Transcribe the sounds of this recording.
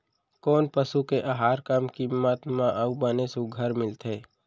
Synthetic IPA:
koːnpəsukeʔaɦaːɾkamkimːət̪mãʔəbənesuɡʱəɾmɪlt̪ʰeː

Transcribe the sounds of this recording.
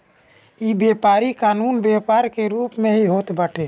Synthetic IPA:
iːbeːpaːɾikaːnuːnbeːpaːɾkeɾuːpmẽɦiɦoːt̪bəʈʰeː

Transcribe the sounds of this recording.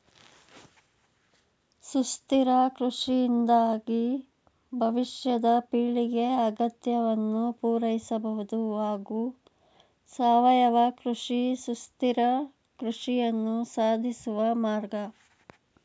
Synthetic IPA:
sust̪iɾɐkɾuʂijind̪aːɡi | bʱɐʋiʃjɐd̪ɐpiːɭiɡe̞ɐɡɐt̪jɐʋɐnːupuːɾɐjisɐbɐɦud̪uɦaːɡuː | saːʋɐjɐʋɐkɾuʂisust̪iɾɐ | kɾuʂijɐnːusaːd̪ʱisuʋɐmaːɾɡɐ

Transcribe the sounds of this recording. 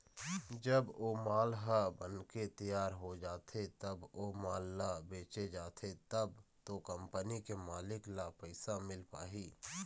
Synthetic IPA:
d͡ʒəboːmaːlɦəbənket̪əjaːɾɦod͡ʒaːt̪ʰet̪ɐboːmaːlːabeːt͡ʃed͡ʒaːt̪ʰet̪ɐb | t̪okə̃mpənikemaːlɪklapəɪsamɪlpa̰ːɦiː

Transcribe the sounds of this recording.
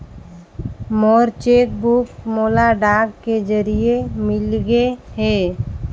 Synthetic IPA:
moːɾt͡ʃeːk̪buːpmoːlaɖaːɡked͡ʒəɾiemɪlɡeɦɛː

